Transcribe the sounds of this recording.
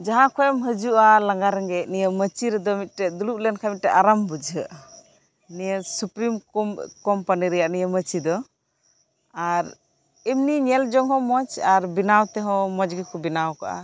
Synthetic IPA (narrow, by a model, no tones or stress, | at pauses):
d͡ʒaɦãkʰɔjɔmɦəd͡ʒuʔalaŋɡaɾɛŋɡɛʔnijəmət͡ʃiɾɛd̪ɔmit̪̚ˀʈɛd̪uluʔ̚lɛnkʰamit̪̚ʈɛʔaɾambud͡ʒɦəʔ | nijəsupɾimkɔmpaniɾɛjaʔnijəmət͡ʃid̪ɔ | aɾ | imniɲɛld͡ʒɔŋɦɔ̃mɔt͡ʃaɾbinawt̪ɛɦɔ̃mɔd͡ʒɡikɔbinawkaʔa̰